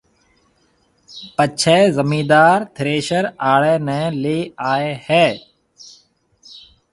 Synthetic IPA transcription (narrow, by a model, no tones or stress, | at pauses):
pət͡ʃʰɛːzəmĩːd̪aːɾt̪ʰɪɾeːʃəɾaːɭɛːnɛ̃ːleːaːeːhɛː